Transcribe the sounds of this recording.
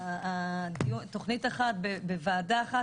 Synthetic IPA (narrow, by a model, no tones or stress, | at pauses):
adiut̪o̞χnitaχat̪̚bebevaːdaːχa